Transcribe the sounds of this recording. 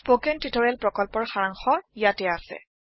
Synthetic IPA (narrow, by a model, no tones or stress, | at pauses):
spokɛntitʰɔɹalpɹɔkɔlpɔɹxaɹaŋxɔjatɛasɛ̰